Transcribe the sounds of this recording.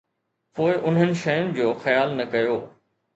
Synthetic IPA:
poːɪʔʊn̤ɦənɪ̆ʃɐjʊnɪ̆d͡ʑoːxɐjaːlnɐkɐjoː

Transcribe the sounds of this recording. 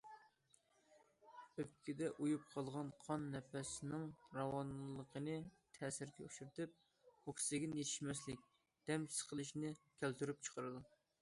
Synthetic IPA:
øp̚kʲɪd̪ɛʔujup̚qʰɑlˠʁɑnqʰɑnːɛpæsɪnɪŋɾɑwɑnlˠəqʰənɨ | t̪ʰɛːsɪɾɡʲɛuʃyɾt̪ɪp̚ | ukʲʰɪ̥sɪɡʲinɪjet̪ʰɪ̥ʃmɛslɪk̚ʲ | d̪̥ɛmsə̥qʰəlˠɨʃnɪkʲʰælt̪yɾyp̚t͡ʃʰə̥qəɾɨd̪u

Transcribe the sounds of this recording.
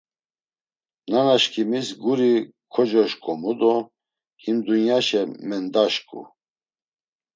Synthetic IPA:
nanaʃkʰimisɡuɾi | kʰɔd͡ʒɔʃkʼɔmud̪ɔ | himd̪unjaʃɛmɛnd̪aʃkʼṵ

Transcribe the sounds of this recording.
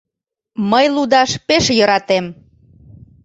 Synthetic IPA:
məjlud̪ɑʃpeʃjəɾɑt̪em

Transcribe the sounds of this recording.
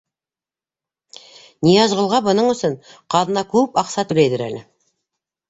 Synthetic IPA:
nijɑʒʁə̆lˠʁɑbŏnɤɴɵ̆sɵnqʰɑðɤ̆nɑkʉpɑqsɑt̪ʰɵ̆læjd̪ɘɾæ̰lɪ

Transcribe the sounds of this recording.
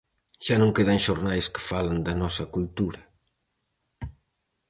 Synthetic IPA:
ʃanõŋkeðɐŋʃoɾnajskɪ̥faland̪ɐnɔsɐkult̪uɾɐ

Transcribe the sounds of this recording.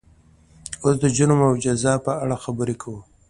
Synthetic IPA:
osd̪əd͡ʒunomawd͡ʒazɑpəaɽaxabəɾekʰawu

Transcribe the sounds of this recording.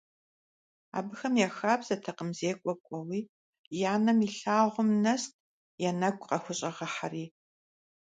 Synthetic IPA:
a̰ːbɨxɐmjɛxaːbz̥ɐtʰɐqəmzeːkʷʼɔkʷʼɔwiː | jaːnɐmiɬaːʁʷʊmnɐstʰʼ | jɛnɐɡʷʼqɐxʷʊɕʼɐʁɐħariː

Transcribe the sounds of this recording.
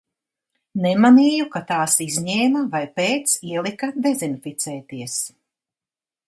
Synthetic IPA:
nɛmaniːjukat̪aːsizʲɲɛːmɐvajpeːt̪siɛlˠikad̪ɛzinfit̪sɛːt̪iɛs

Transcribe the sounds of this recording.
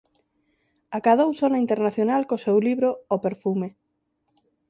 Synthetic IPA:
akaðowsonaint̪eɾnaθjonalkosewliβɾoopeɾfume

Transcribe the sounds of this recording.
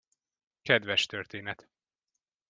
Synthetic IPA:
kɛd̪vɛʃt̪ørt̪eːnɛt̪

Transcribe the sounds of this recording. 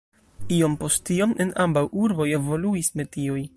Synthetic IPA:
io̞mpo̞stio̞nʔenʔambawuɾbo̞je̞vo̞luisme̞tioj

